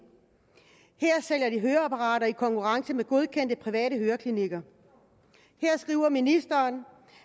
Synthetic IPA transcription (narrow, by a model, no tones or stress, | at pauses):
heɐ̰sel̰jɐd̥iɦøːɐæpʰɑʁɑ̰̈ːɾɐikʰɒ̽ŋkʰuʁɑ̈ŋsəmeɡ̥o̝ð̞ˠkʰen̰d̥əpʰʁiʋɛ̰ːɾəɦøːɐkʰliniɡ̥ɐ | heɐ̰sɡ̥ʁiʊ̰ɐminisd̥ɐːn